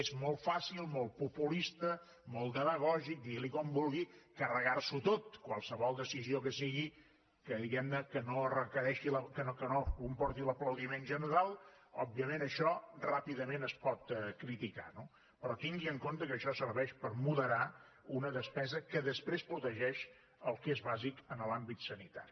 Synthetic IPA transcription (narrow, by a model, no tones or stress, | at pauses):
ezmɔlˠt̪fasilˠmolˠtpupulist̪ə | mɔlˠd̪əməɣ̞ɔʒik̚d̪ilikɔmbulˠɣikərəɣarsut̪ot̪kwalˠsəβɔlˠd̪əsiziokəsiɣi | kəðiɣɛmnəkənoərəkəɾɛʃiləkənokənokumpɔɾt̪iləpləwðimenʒənəɾalˠ | ɔb̚biəmenəʃɔrapiðəmenəspɔt̪kɾit̪ika̰no | pɾɔt̪iŋɡiəŋkont̪əkəʃɔsəɾβɛʃpəɾmuðəɾa | unəðəspɛzəkəðəspɾespɾut̪əʒɛʃ | əlˠkezβazikənəlambit̪sənit̪a̰ɾi